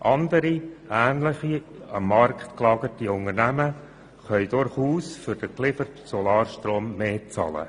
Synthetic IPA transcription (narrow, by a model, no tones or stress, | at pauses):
ʔɑnd̪əɾiæːnləχi | ɑmːɑrkχt̪klɑːɡətiʊŋəɾnæmə | χœʏd̥ʊɾχuːsfʏɾd̥əklɪfəɾtsɔlɑːɾʃtɾoːmːeːt͡sɑ̰ːlə̰